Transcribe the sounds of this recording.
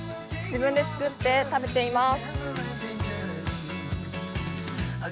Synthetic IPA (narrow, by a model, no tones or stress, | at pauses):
d͡ʑibɯ̟̃nd̪e̞t͡sɨ̥kɯ̟t̪ːe̞t̪abe̞t̪e̞imasɨ̥